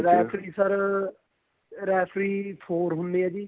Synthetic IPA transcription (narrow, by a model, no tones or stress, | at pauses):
ɾɛːpʰɾiːsəɾ | ɾɛːpʰɾiːpʰoːɾɦʊnd̪eːɛːd͡ʒiː